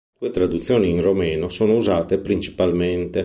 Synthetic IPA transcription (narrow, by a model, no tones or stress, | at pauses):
d̪uːet̪ɾad̪ut̪sːjoːniːnromɛːnosoːnouzaːt̪epɾint͡ʃi̥palment̪e